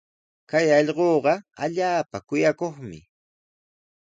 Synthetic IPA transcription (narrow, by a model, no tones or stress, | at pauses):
kajɑʎɢoːɢɑaʎaːpakʊjakoχmɪ̰